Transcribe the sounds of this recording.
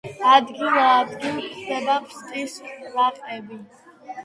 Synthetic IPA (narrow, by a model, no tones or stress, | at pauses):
ad̪ɡilˠaːd̪ɡilˠpʰd̪ɛd̪apʰst̪ʼisvaqʼɛbi